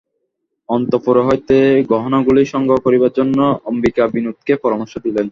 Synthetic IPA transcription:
ɔnt̪opoɾoɦojt̪eɡɔɦonoɡuliʃɔŋɡʱokoɾibaɾd͡ʑonːoombikabinut̪̚kepɔɾomoɾʃod̪ilen

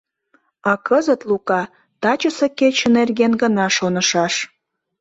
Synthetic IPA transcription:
ɑkəzət̪lukɑ | t̪ɑt͡ɕəseket͡ɕə̆nerɣenɡənɑʃonəʃɑʃ

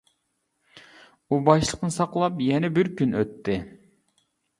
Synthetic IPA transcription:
ubɑʃlˠəqnɨsɑqlˠɑpjɛnɛbɪɾkʲynøt̪ʰːɪ

